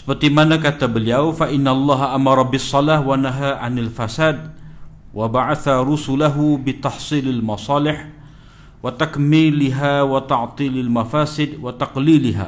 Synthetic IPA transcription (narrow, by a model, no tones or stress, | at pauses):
ʔsbat̪ˤimanakat̪abɪljawfaʔɪnːaʔlˤːɑːɦaʔamɑɾˤɑbɪsˤːɑlaːhwanaɦaːʕanalfasaːd̪̚ | wʔabaʕaθaɾʊsʊlaɦʊbɪt̪ɑħsˤiːlalmɑsˤɑːlɪħ | wat̪akmiːlɪɦawat̪ɑʕt̪ˤiːlalmafaːsɪd̪wat̪ɑqliːlɪɦa̰